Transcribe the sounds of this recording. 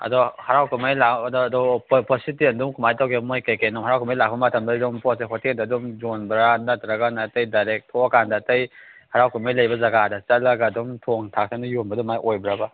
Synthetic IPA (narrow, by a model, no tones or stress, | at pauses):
ɐ̰dɔhaɾawkumajladɔːdɔppʰositiɐndumkʰumajtawkemojkajkenumhaɾawkʰumajlak̚bɐmɐtʰɐmdɐdɔmpʰɔseɦotʰindadumd͡ʒonbɾanɐtɾɐɡanatɐjdajɾek̚tʰɔkandɐtɐjhaɾawkumajlɐjbɐzɐɡadɐt͡ʃɐlɐɡaːdɔmtʰoŋtʰak̚tʰanujonbɐdɔmajʔojbɾaba